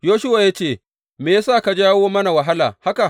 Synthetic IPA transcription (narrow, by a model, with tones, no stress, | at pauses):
joː˦ʃʊ˦wa˨ja˦t͡ʃeː˦˨ | meː˨ja˦saː˦˨ka˨d͡ʒaː˦woː˦mɐ˦na˨wɐ˨ɦa˦la̰ː˨ha˦ka˨ʔ